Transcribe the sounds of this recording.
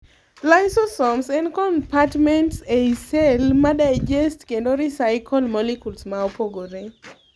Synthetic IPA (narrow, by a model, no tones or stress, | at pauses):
laɪsosɔmsɛ̃nkɔnpatmɛntseisɛlmadaɪd͡ʒɛstkendoɾisaɪkʰɔlmɔlikulsmaopoɡoɾe